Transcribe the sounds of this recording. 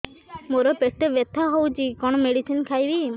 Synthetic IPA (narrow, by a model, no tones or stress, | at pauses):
moɾɔpesʈ̪ebet̪ʰaɦowt͡ʃikɔɽ̃ɔmeɽisinkʰajbi